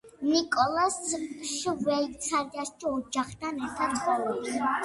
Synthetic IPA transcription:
nikʼɔlˠasʃvɛsʰaɾdaiɔd͡ʒaχt̪ʰanɛɾt̪ʰad̪sχɔɛbs

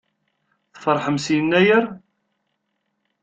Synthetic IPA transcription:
θfəɾˤħəmsjənːæjəɾ

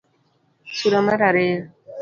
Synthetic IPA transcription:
suɾamaɾaɾe

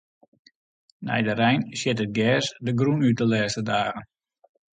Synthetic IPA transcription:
nɛ̰jdəɾɛjnsjɪtət̚ɡɛːsdəɡrunyt̚əlɛːstədaːɣən

